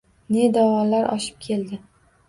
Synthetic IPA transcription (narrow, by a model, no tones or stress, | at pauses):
ne̞d̪awɒlaɾʔɒ̰ʃɪ̥p̚kʲʰe̞ld̪ɪ